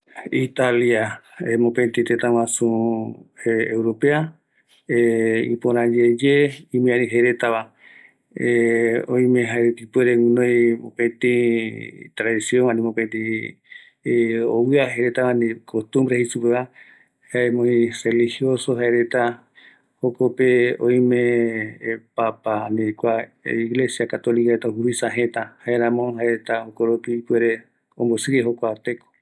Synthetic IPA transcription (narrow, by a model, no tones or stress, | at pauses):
it̪aljaemõpẽnt̪ĩt̪et̪ãw̃ãsu | eewɾopea | eḭpõɾ̃ãd͡ʒed͡ʒeĩmẽãnĩɦeɾet̪aβa | eõ̰j̃mẽɦaeɾepipweɾeŋũnõjmõpẽnt̪ĩ | t̪ɾaðisjõŋãnĩmõpent̪ĩ | o̰wɨaɦeɾet̪aãnekʰot̪ũmbɾehisupea | haemõĩselihjosoɦaeɾet̪a | hokopeõ̰j̃mẽ | papaanekʷaiɡle̞sjakat̪olikaet̪aoɦuɾisaɦẽt̪ahaeɾãmõɦaeɾet̪ahokoɾopipweɾe | õmbosɨeɦokoat̪eko̥